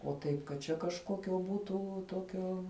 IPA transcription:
oː ˈtɐɪp kɐt ˈt͡ʃʲɛ kɐʃˈkoːkʲoː ˈbuːtʊ ˈtoːkʲoː

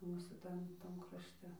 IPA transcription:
ˈmuːsuː ˈtɐm ˈtɐm krɐʃʲˈtʲɛ ˈmuːsuː ˈtɐm krɐʃʲˈtʲɛ

